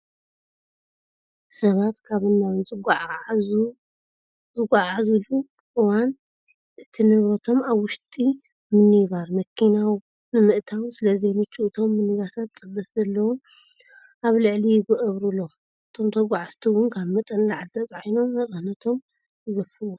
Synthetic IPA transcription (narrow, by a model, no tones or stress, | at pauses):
sɐβat̪kʰaβɨnːawɨnt͡sʼɨɡ | u | t͡sʼɨɡʷaʕazulu | ʔɨwan | ʔɨt̪ʰinɨβɾɐt̪ʰo̞maβwʊʃt̪ʼi | mɨnɨβaɾmɐkʰːinaw | nɨmɨʔt̪ʰawsɨlɐzenɨt͡ʃːuʔɨt̪ʰo̞mːɨnɨɡasʰat̪̚t͡sʼɨbɐszɐlːɐwun | ʔaβlɨʕlijɪɡoʔɐβɾulːo̞ | ɨt̪ʰo̞mt̪ʰɐɡʷaʕast̪ʰuwʊnkʰaβmɐt̪ʼɐnlaʕzɐt͡sʼʕajno̞mːɐsʼahnɐt̪ʰo̞m | jɨɡɐfɨwo